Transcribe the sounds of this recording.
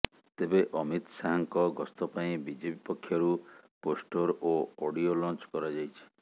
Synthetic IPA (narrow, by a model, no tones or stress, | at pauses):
t̪ebeʔɔmit̪saɦaŋkɔɡɔst̪ɔpaĩbid͡ʒibipɔkʰːjɔɾuposʈoɾooɽiolɔ̃nt͡ʃkɔɾad͡ʒajt͡ʃʰi̥